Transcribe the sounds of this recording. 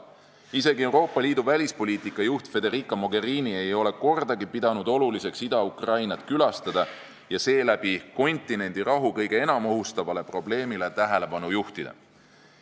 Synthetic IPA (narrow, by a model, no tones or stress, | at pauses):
ise̞ɡie̞wɾo̞ːpːˑɑliːd̪̥uvælʲispo̞lʲiːt̪ikːˑɑjuht̪fe̞d̪e̞ɾikˑːɑmo̞ɡe̞ɾiːnie̞jo̞le̞ko̞rd̪̥ɑɡipid̪ɑnud̪o̞lulise̞ksid̪̥ɑukrɑjnɑt̪ˑkylɑst̪ɑd̪̥ɑ | jɑse̞ːlæb̥iko̞nʲt̪ˑine̞nʲd̪̥iɾɑɦukɤjɡ̥e̞e̞nɑmo̞ɦust̪ɑvɑle̞pro̞ble̞ːmile̞t̪æɦele̞b̥ɑnujuht̪id̪̥ḛ